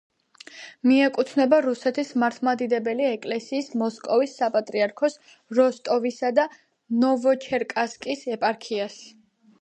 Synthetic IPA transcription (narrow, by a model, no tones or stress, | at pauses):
miɛkʼut̪ʰnɛbaɾusɛt̪ʰismaɾt̪ʰmad̪id̪ɛbɛliɛkʼlɛsiːsmɔskʼɔvisːapʼat̪ʼɾiaɾkʰɔs | ɾɔst̪ʼɔvisad̪a | nɔvɔt͡ʃʰɛɾkʼaskʼisɛpʼaɾkʰias